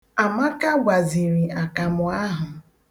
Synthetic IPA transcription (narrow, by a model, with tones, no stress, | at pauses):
a˨ma˦ka˦ɡʷa˨zi˨ɾi˨a˨ka˨mʊ˨˦a˦ɦʊ˨